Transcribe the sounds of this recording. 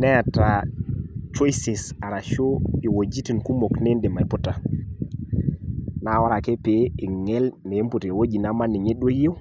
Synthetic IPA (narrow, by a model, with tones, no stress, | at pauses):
nɛ˦ja˨ta˨ | t͡ʃɔ˦jse˨sa˨ɾa˨ʃo˦i˨wo˨d͡ʒi˦ti˨nku˦mo˨kne˦nde˨ma˨pu˦ta˨ | na˨wɔ˦ɾa˨ke˦pe˨˦i˨ŋɛ˦lne˨˦m˦pu˨te˨wo˦d͡ʒi˨na˦ma˦ni˨ɲe˦ɗo˦je˦